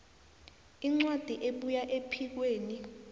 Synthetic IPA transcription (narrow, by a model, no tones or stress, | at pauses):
iŋ͡ǀwad̥ʱiʔeɓujaʔepʰik̬weːni